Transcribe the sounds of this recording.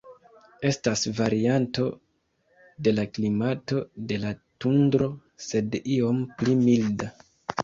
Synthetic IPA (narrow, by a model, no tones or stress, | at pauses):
e̞stasvaɾianto̞ | de̞laklimato̞de̞latundɾo̞ | se̞dio̞mplimilda